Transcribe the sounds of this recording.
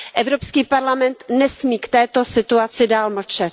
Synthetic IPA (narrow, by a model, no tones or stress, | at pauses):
ʔɛvɾopskiːpaɾlamɛnt̪nɛsmiːkt̪ɛːt̪o̞sɪt̪uat͡sɪdaːlml̩t͡ʃɛt̪